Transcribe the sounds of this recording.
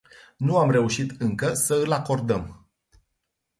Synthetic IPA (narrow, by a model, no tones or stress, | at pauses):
nuamre̞uʃit̪ɨŋkəsəɨlako̞rd̪əm